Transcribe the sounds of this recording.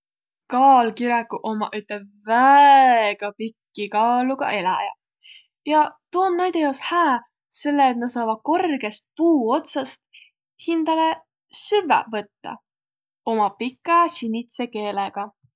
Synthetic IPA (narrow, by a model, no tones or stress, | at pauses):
kɑːlkiɾɑkːˑuʔo̞mɑ̰ʔyt̪ˑleb̚ | væ | ɡ̥ɑpikːikɑːluɡ̥ɑ̰ʔe̞lɑ̰jɑ̰ | jɑt̪uonnæjd̪̥ejoːshæː | se̞lːeːt̪nɑsɑːvɑko̞rɡ̥e̞st̪̚puːo̞t̪sɑst̪̚ | hind̪̥ɑle | syvḛvɤt̪ːɑ̰ | o̞mɑpikːˑɑɕinʲit̪seke̞ːleɡ̥ɑ